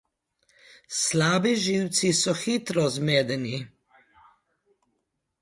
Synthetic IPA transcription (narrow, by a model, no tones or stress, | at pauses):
slaːbiʒiwt̪sisɔxit̪ɾɔzmeːd̪ɛni